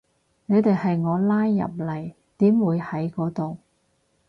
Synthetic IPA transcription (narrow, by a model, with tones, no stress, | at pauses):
ne˨˧jt̪e˨jhɐ˨jŋɔː˨˧laː˥jːɐ̰˨p̚lɐ˨˩j | t̪iː˨˥mwuː˨˧jhɐ˨˥jkɔː˨˥t̪o˨w